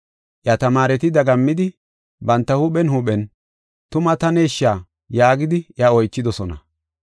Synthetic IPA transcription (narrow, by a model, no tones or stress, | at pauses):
ʔjɐt̪ɐmaːɾɛt̪ɪd̪ɐɡɐmːɪd̪ɪ | bɐnt̪ːɐhʊɓɛnhʊɓɛn | t̪ʊmɐt̪ɐneːʃːaː | jaːɡɪd̪ɪʔjɐɔjt͡ʃːɪd̪ɔsɔnɐ̰